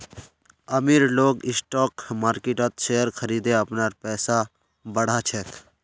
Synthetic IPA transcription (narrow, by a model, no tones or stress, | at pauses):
əmiːɾloːɡɪsʈɔːkmaːɾkeʈət̪ʃeːəɾkʰəɾiːd̪eəpnaːɾpɛːsa | bəɽ̤at͡ʃʰɛːk̪ʰ